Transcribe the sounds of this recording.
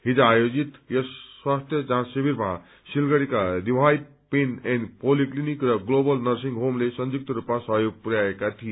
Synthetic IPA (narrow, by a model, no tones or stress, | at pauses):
ɦid͡zaːjod͡zit̪jʌsːwast̪ʰjʌd͡zãsibiɾmã | silɡʌɽikad̪ibʱaj | penenpoliklinikrʌɡlobʌlnʌɾsiŋɡɦomlesʌnd͡ʒuk̚t̪ʌɾupmasʌɦjoɡ̚puɾjaekat̪ʰije